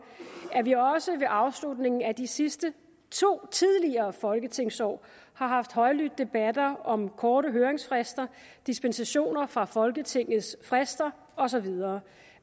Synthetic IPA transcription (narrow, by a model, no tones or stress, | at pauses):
æɐʋiɒ̽səʋe̝ʔɑ̈ʊslud̥ne̝ŋn̩æd̥isisd̥ə | t͡sʰo̝̰ːt͡sʰið̞ˠliɐːfɒ̽lɡ̥ət͡sʰe̝ŋ̰sɒ̰ː | hɑ̈ɦɑ̈fd̥ɦɒ̽ɪlyd̥̚ːe̝b̥æd̥ɐɒ̽mkʰɒːɾəɦøːɐeŋsfʁasd̥ɐd̥isb̥ensæɕo̝̰ːnɐfʁɑ̈fɒ̽lɡ̥ət͡sʰe̝ŋ̰ð̩ˠsfʁasd̥ɐ | ɒ̽sɒ̽ʋið̞ˠɐː